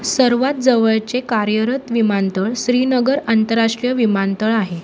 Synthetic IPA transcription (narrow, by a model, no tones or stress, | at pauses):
səɾʋat̪̚d͡zəʋəɭt͡sekaɾjəɾət̪ʋimant̪əɭsɾinəɡəɾant̪əɾːaʂʈɾijəʋimant̪əɭaɦe